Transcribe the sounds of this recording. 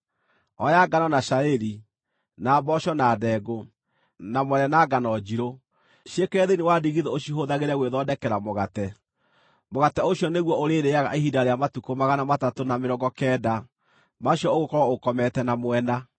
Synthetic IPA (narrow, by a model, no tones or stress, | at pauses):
ɔjaɡanɔnaʃaeɾi | naːbɔɕɔnadɛɡo | namwɛnɛnaːɡanɔd͡ʑiɾo | ʃekɛːðenewadiɣiðɛoɕiɦoðaɣeɾɛɣweðɔdɛkɛɾamoɣatɛ | moɣatɛoɕjɔneɣwɔʔoɾeɾeaɣa̰ʔehidaɾeamatukomaɣanamatatonameɾɔɡɔkɛːda | maɕjɔoɣokɔɾɔokɔmɛtɛnamwɛna